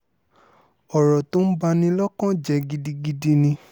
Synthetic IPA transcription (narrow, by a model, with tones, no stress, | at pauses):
ɔ˨ɾɔ˨tũ˦n̩˦ba˧nĩ˧lɔ˦kɔ̃˦d͡ʒɛ˧˦ɡi˧di˧ɡi˧di˧nĩ˧